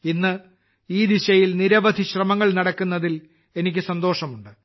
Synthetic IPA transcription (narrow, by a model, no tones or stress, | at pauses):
inːɨ | iːd̪iɕɐjilniɾɐʋɐd̪ʱiɕrɐmɐŋːɐɭnɐɽɐkːunːɐðil | e̞nikʲːɨsɐnd̪o̞ːʂɐmuɳɖɨ